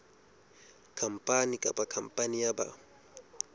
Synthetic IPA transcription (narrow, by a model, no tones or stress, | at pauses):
kʰam̩pʼanikʼaɓakʰampʼanijaba̰